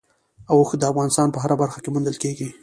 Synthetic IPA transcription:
awoxd̪əafɣɑnɪst̪ɑnpəɦaɾabaɾxakemund̪əlkeɡi

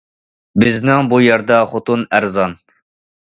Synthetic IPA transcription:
bɪznɪŋbujæɾd̪ɑχot̪unæɾzɑn

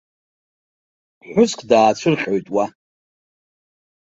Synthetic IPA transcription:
ħʷᶣʊskʷʰʼdaːt͡ʃʷʰɨrχʲʼojtʼwa

